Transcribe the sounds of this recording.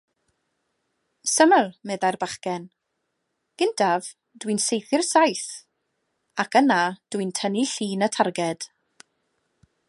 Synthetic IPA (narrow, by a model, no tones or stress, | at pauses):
səməlˠmɛðajrbaχkɛn | ɡ̥ɪndʰav | d̥winsejθɪrsajθ | akʰənad̥wintʰəniɬiːnətʰarɡɛd̥